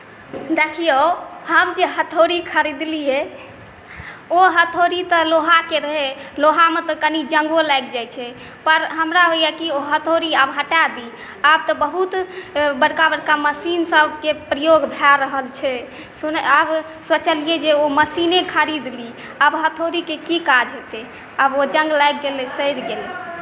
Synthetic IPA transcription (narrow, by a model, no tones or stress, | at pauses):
d̪ekʰijohəmd͡ʒeɦət̪ʰoɾikʰəɾid̪liɛ | oɦət̪ʰoɾit̪ɔloɦakeɾəɦeloɦamet̪ɔkənid͡ʒəŋɡolajk̚d͡ʒajt͡ʃʰɛ | pəɾɦəmɾaɦojɛkioɦət̪ʰoɾiabɦəʈad̪i | ab̚t̪ɔbəɦut̪bəɽkabəɽkaməsinsəbʱkepɾəjoɡbʱaɾəɦəlt͡ʃʰɛ | sunab | swət͡ʃəlijed͡ʒeoməsinekʰəɾid̪li | abɦət̪ʰoɾikekikad͡ʒɦet̪e | abod͡ʒəŋɡlajk̚ɡelɛsəjɾɡelɛ